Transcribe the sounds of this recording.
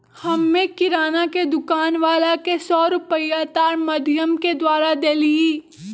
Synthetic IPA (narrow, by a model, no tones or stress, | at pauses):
hɐmːẽkɪɾaːnaked̪ʊkaːnʋaːlakesɔːɾʊpəjat̪aːɾmɐd̪ʱjəmked̪waːɾad̪eːliiː